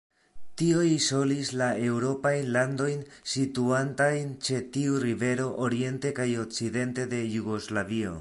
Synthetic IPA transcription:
tio̞jso̞lislae̞wɾo̞pajnland̪o̞jn | sit̪uantajnt͡ʃe̞t̪iurive̞ɾo̞ʔoɾie̞nte̞kajo̞k̚t͡siðe̞nte̞d̪e̞juɡo̞zlavio̞̰

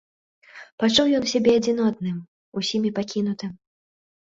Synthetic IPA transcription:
pat͡ʂuwjɔnsʲabʲɛɐd͡zʲinɔt̪nɨm | usʲimʲipakʲin̪ut̪ɨm

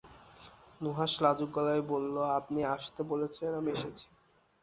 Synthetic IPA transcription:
nuɦaʃlad͡ʑuɡːɔlaebolːoapniaʃt̪ebolet͡ɕʰenamieʃet͡ɕʰi̥

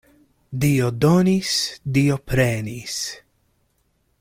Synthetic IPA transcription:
d̪iod̪ɔnisd̪iopɾɛːnis

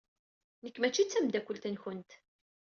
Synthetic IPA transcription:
nəkːmæt͡ʃːit͡sːæmd̪ækʷːəlt̪ənçənt̪

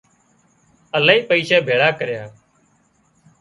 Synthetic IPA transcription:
əlaːiːpəiːʃɛːbʱeːɽaːkəɾjaː

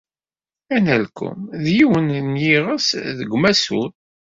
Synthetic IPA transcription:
ænælkːʊ̰mðjiwənnjiʁəsðəɡʷmæsṵɾ

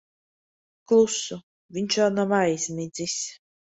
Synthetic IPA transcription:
klˠusu | vʲinʲt͡ʃanɔmajzʲmʲid̪zʲisʲ

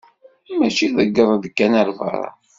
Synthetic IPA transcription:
mæt͡ʃiðəɡːəðˤðəkːænəɾvɑ̰ɾˤɑ̰

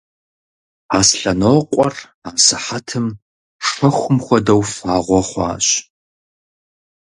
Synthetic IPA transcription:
asɬɐnoːqʷʼɔr | aːsɨħatʰɨm | ʂɐxʷʊmxʷɔdɐwfaːʁʷɔχʷɑ̰ːɕ

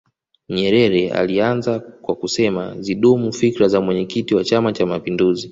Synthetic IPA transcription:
ɲɛɾɛɾɛa̰lianzakwakusɛmaziɗumufikɾazamwɛɲɛkitiwat͡ʃamat͡ʃamapinduzi

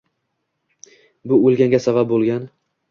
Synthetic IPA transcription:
bʊolˠɡʲaŋɡʲasabap̚bolˠɡʲan

